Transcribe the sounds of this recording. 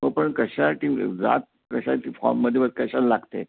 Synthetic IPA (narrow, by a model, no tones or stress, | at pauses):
məɡpəɳkəɕaʈid͡za̰t̪̚ | kəɕat̪ifɔ̰ɾmːəd̪ʱːjeʋət̪̚kəɕallaɡt̪ḛ